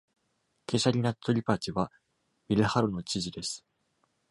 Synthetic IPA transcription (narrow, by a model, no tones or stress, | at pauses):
ke̞ɕaɾʲinat̪ʰːo̞ɾʲipat͡ɕiβa | bʲiɾɯhaɾono̞t͡ɕiʑid̪e̞sɨ̥